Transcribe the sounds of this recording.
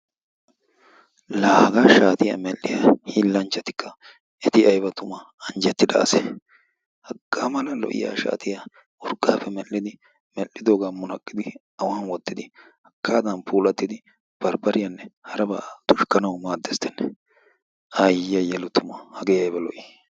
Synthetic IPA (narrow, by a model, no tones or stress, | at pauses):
laːhɡaʃaːt̪ɪja̰mɛlːɪjahiːlːɐnt͡ʃːɐt̪ɪ̥kːɐ | ɛt̪ɪɐjbɐt̪ʊmɐ | ɐnd͡ʒɛt̪ːɪd̪ɐ̰ːsɛ | hɐɡ̥ːaːmɐlɐlɔ̰ʔɪ̰ja̰ːʃa̰ːt̪ʰɪja | ʊɾɡʼaːfɛmɛlːɪd̪ɪ | mɛlːɪd̪oːɡamʊnɐkʼːɪd̪ɪ | ɐwaːnwɔt̪ːɪd̪ɪ | hɐkːaːd̪ɐnpʰuːlɐt̪ːɪd̪ɪ | b̥ɐɾbɐɾɪjɐnːɛhɐɾɐba̰ːt̪ʊʃkːɐnɐwmaːd̪ːɛst̪ɛnːɛ | ajɪjɐjɛlʊt̪ʊmɐhɐɡeːɐjbɐlɔʔɪ